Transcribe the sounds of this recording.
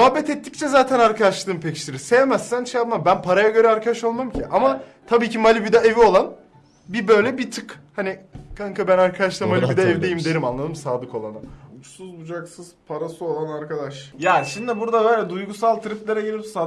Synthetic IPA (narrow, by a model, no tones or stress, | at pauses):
moɦabːɛt̪ɛt̪ʰːic̚t͡ʃʰɛzaːt̪ʰænaɾkʰad̪aʃlˠɯːmpʰecʰi̥ʃʲiɾise̞vemæz̥sænʃʰejap̪mambænpʰaɾajaɟø̞ɾɛaɾkʰad̪aʃo̞lˠmamcʰiʔamat̪ʰabiːcimalʲibid̪aevio̞lˠan | bibø̞jlʲɛbit̪ʰɯkhanikʰaŋkʰabænaɾkʰad̪aʃlˠɯmalʲibid̪ɛɛvd̪ejimd̪e̞ɾimanlˠad̪ɯmsaːd̪ɯko̞lˠanɯut͡ʃsuzbud͡ʒaksɯz̥pʰaɾasuo̞lˠanaɾkad̪aʃjaːnʃimd̪ibuɾd̪abɛjlʲɛd̪ujɡusalˠt̪ʰɾift̪lʲeɾɛɟelʲisa